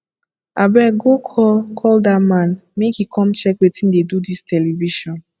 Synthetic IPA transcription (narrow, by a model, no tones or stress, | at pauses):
abɛɡokʰɔkʰɔldamãnmekhikʰɔ̃mt͡ʃɛkwetĩndedudistʰɛliviʃɔ̃n